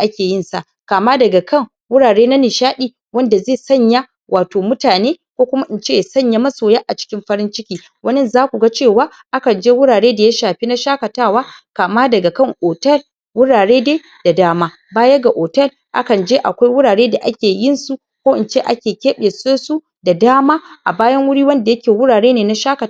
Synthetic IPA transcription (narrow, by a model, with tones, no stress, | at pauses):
ʔa˦kʲeː˨jɪ˦nsa̰˦˨ | kaː˨maː˦dɐ˨ɡa˨kɐ˦˨ŋ | wʊ˦ɽaː˨ɽeː˦na˦nɪ˨ʃaː˦ɗiː˨ | wɐ˦nda˨zeː˦˨sɐ˦˨ɲja˦ | wʔaː˨toː˨mʊ˦taː˨neː˦kʷoː˦kʷʊ˦ma˦ʔɪ˨nt͡ʃeː˦˨jsɐ˦˨ɲja˦mɐ˦soː˨jaː˦ʔa˨t͡ʃɪ̥˦kʲɪ˦mɸɐ˦ɾɪ˦nt͡ʃɪ˦kʲiː˨˦ | wɐ˦nɛ˦nzaː˦kʷu˨ɡa˦t͡ʃeː˦˨waː˦ | ʔa˦kɐ˨nd͡ʒeː˦wʊ˦ɽaː˨ɽeː˦da˨ja˦ʃaː˨ɸi˦na˦ʃaː˦kɐ˨taː˦˨waː˦kaː˨maː˦dɐ˨ɡa˨kɐ˦˨ŋʔoː˨tɐ˦˨l | wʊ˦ɽaː˨ɽeː˦deː˦ | d̥a˨daː˦maː˦ | baː˦jɐ˦ɡa˨ʔoː˨tɐ˦˨l | ʔa̰˦kɐ˨nd͡ʒeː˦ʔa̰˨kʷa˦jwʊ˦ɽaː˨ɽeː˦da˨ʔa˦kʲeː˨jɪ˦˨nsu˦ | kʷoː˦ʔɪ˨nt͡ʃeː˦ʔa̰˦kʲeː˨kʲeː˦ɓeː˨soː˦su˦ | da˨daː˦maː˦ʔa̰˨baː˦jɐ˦ŋwʊ˦ɽiː˦wɐ˦nda˨jɐ˦kʲeː˨wʊ˦ɽaː˨ɽeː˦neː˨na˦ʃaː˦kɐ˨ta˨